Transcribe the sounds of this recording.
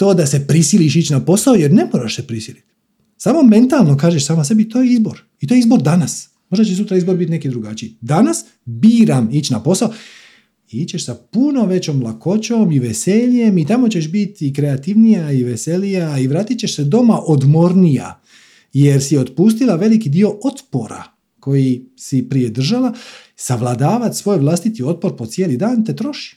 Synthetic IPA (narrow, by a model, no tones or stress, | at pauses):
t̪o̞ːd̪ase̞pɾisiliʃit͡ɕnapo̞saoje̞ɾne̞moɾaʃsepɾisilit̪ | saːmo̞me̞nt̪alˠno̞kaːʒeʃsaːmase̞bit̪o̞jeizbo̞ɾ | it̪o̞jeizbo̞ɾd̪anas | mo̞ʒd̪at͡ɕesut̪ɾaizbo̞ɾbit̪ne̞kid̪ɾuɡat͡ɕiid̪anas | biːɾamit͡ɕnapo̞sao | iit͡ɕe̞ʃsapuno̞ʋe̞t͡ɕomlˠako̞t͡ɕo̞miʋese̞ʎe̞mit̪amo̞t͡ɕe̞ʃbit̪ikɾe̞at̪iʋnijaiʋese̞lijaiʋɾaːt̪it̪̚t͡ɕe̞ʃsed̪o̞maʔo̞d̪mo̞ɾnija̰ | je̞ɾsio̞t̪pust̪ilaʋe̞likid̪io̞ʔo̞t̪po̞̰ɾa̰ | ko̞jisipɾije̞d̪r̩ʒala | saʋlˠad̪aːʋat̪sʋo̞ːjʋlˠast̪it̪io̞t̪̚po̞ɾpot̪sjeːlid̪aːnt̪e̞t̪ɾo̞ʃi̥